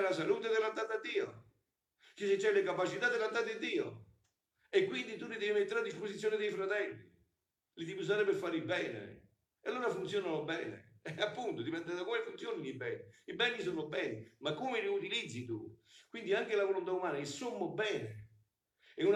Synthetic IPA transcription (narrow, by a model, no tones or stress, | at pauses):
lasaluːt̪̬ed̪elːant̪ːat̪ad̪ːiːo̰ | kiset͡ʃːɛlːekapat͡ʃit̪ad̪ːelant̪̬ːat̪̬ɪad̪ːiːo̰ | ekːwind̪it̪unːid̪ɛvimet̪ːeɾad̪ːisposit̪sjonɪd̪ejfɾat̪ɛlːḭ | lit̪ipus̬aːɾepeɾfaːɾibɛːnḛ | alːoːɾafunt̪sjɔːnanobɛːnḛapːunt̪od̪ipɛnt̪ed̪akomefunt̪sjoːninibɛːniibɛnːisonʊbɛːnimakːumeliut̪ilid̪zːit̪ṵkwind̪iaŋkelavolont̪̬aumaːnailsomːobɛːne | ɛun